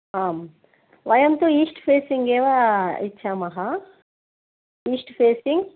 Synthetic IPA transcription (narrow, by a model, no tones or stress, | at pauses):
aːm | ʋɐjɐmt̪oːiːsʈpʰeːsiŋɡɛːʋaːit͡ʃʰːaːmɐɦa | iːsʈpʰeːsiŋɡ